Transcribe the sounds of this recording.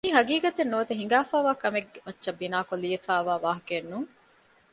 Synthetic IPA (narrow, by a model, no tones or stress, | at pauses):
iːɦɐɡiːɡɐt̪enːoːɐt̪eɦiŋɡaːfaːʋaːkɐmeɡemɐtːʃɐbːinaːkoliːefaːʋaːʋaːɦɐkenːuŋ